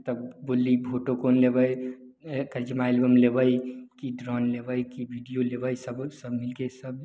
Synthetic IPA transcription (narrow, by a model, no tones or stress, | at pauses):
t̪əbbolːibʱoʈokoːnlebəj | kəɾd͡ʒimaelbəmlebəjkiɖɾɔnlebəjkibʱiɖijolebəjsəbsəbmilkesəb